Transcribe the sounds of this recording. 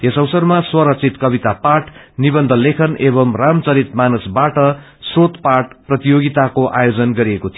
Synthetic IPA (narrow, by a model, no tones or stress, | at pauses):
ɦesʌwsʌrmaswʌɾʌk̚t͡sʰit̪kʌbit̪apaʈʰnibʌnd̪ʱʌlekʰʌnʔebʌmramt͡sʌɾit̪manusbaʈʌ | srot̪paʈ̚prʌt̪ijoɡit̪akoʔa̰jod͡zʌnɡʌɾiekot̪ʰi